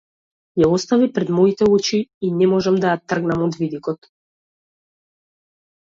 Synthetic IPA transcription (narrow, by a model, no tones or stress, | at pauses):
jaɔst̪avipɾɛd̪mɔit̪ɛut͡ʃiːnɛmɔʒamd̪ajat̪r̩ɡnamɔd̪vid̪ikɔt̪